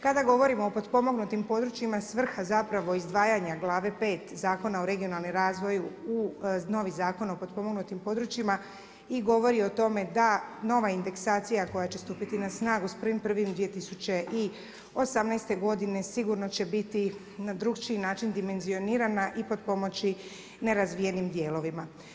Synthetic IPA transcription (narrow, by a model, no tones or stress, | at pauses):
kad̪aɡo̞ʋo̞ɾimo̞ːpo̞d̪po̞mo̞ɡnut̪impo̞d̪ɾut͡ʃimasʋr̩xazapɾaʋo̞izd̪ʋaːjaɲaɡlˠaːʋe̞peːt̪zaːko̞naoɾe̞ɡijo̞nalˠnimɾaːzʋo̞juuno̞ʋizaːko̞nopo̞d̪̚po̞moɡnut̪impo̞d̪ɾut͡ɕima | iɡo̞ʋo̞ɾio̞t̪o̞me̞d̪ano̞ʋaind̪e̞ksaːt̪sijako̞jat͡ɕe̞st̪uːpit̪inasnaːɡuspr̩ʋimpr̩ʋimd̪ʋie̞t̪isut͡ɕe̞ʔi | o̞samnɛjst̪e̞ɡo̞d̪ine̞siɡuɾno̞t͡ɕe̞bit̪i | nad̪ɾuɡt͡ʃinaːt͡ʃind̪ime̞nzio̞niːɾanaʔipo̞d̪̚po̞mo̞t͡ɕi | ne̞ɾazʋije̞nimd̪je̞ːlo̞ʋima